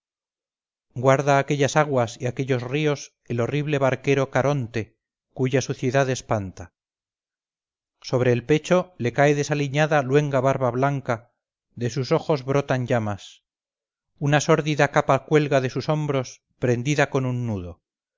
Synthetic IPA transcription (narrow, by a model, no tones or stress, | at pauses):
ɡwaɾðaːke̞ʎasaɣwasiake̞ʎo̞zrio̞s | elo̞riβle̞βaɾke̞ɾo̞kaɾʔo̞nt̪e̞ | kuʝasuθjeðaðespant̪a | so̞β̞ɾe̞ːlpe̞t͡ʃo̞le̞kaeðe̞saliɲaðalwe̞ŋɡaβaɾβaβlaŋka | ðe̞s̬uso̞xo̞zβɾo̞t̪aɲɟ͡ʝamas | unaso̞ɾðiðakapakwe̞lɣaðe̞suso̞mbɾo̞s | pɾe̞nd̪iðako̞nunːuðo̞